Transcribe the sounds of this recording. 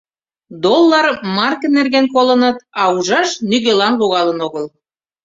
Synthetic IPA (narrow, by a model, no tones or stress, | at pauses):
d̪olˠːɑrmɑrkənerɣenkolənɤ̆t̪ɑuʒɑʃnyɣelɑnβoɣɑlə̆noɣəl